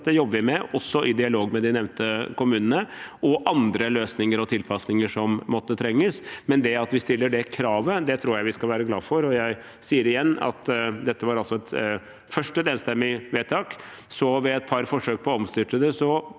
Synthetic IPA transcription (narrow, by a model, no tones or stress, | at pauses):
t̪ːəjɔbːəʋɪmɛɔsːɔʔɪd̪ɪɑloːɡmɛd̪ɪnɛʋnt̪əkʊmʉːnənəɔʔɑnd̪ɾəløːsnɪŋəɾɔt̪ʰɪlpʰɑsnɪŋəʂɔmːɔt̪ːət̪ʰɾɛŋːəsmɛnd̪ɛɑt̪ʋɪst̪ɪlːəɖɛkʰɾɑːʋəd̪ɛt̪ʰɾuːɾjæɪʋɪskɑlʋæːɾəɡlɑ̰ːfɔɾɔjæɪ | siːəɾɪjɛnːɑ̰t̪d̪ɛt̪ːəʋɑɾɑlsɔɛt̪ | fœʂʈəd̪eːnst̪ɛmːɪʋeːt̪ʰɑːk | sɔʋɛɛt̪̚pʰɑɾfɔʂøːk̚pʰɔɔmst̪ʏʈ̪əd̪əsɔ